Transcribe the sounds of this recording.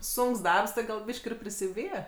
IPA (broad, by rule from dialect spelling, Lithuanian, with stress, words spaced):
ˈsʊŋks ˈdɐrps tʲɪ ɡɐlˠ ˈbʲiːʃʲkʲ ɪr pʲrʲɪsʲɪˈbʲiːjɛ